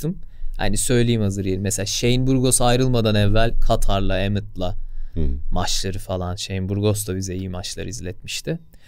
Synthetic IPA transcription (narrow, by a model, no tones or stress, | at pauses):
ɯmha̰nisø̞jlʲejimhazɯɾjelʲimːɛselaʃe̞jinbuɾɡo̞sajɾɯlˠmad̪anɛvːælʲkʰat̪ʰaɾlˠaemɯt̪lˠa | mat͡ʃlˠaɾɯfalˠanʃejinbuɾɡo̞st̪abizɛijimat͡ʃlˠaɾɯizlʲɛt̪miʃt̪ʰɪ